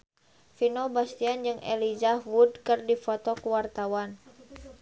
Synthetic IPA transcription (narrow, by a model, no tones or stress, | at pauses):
finobast̪iand͡ʒɨŋɛ̰lizawudkɨrdifɔt̪ɔkuwart̪awan